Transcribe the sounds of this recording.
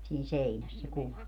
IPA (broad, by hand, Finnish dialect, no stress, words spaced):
siːn̞ seinæs se kuʋɑ